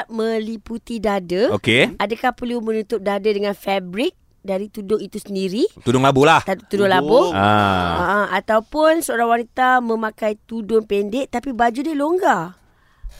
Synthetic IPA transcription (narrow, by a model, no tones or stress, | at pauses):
mə̃liput̪idadəokeadəkahpərlumə̃nut̪ʊp̚dadədəŋãnfɛbɾɪk̚ | daɾit̪udʊŋit̪usəndiɾit̪udʊŋlabulaht̪at̪udʊŋlabʊaa̰ʔaat̪awpʊnsəoɾaŋwanit̪amə̃mãkajt̪udʊŋpɛndɛʔt̪apibad͡ʒudiəloŋɡa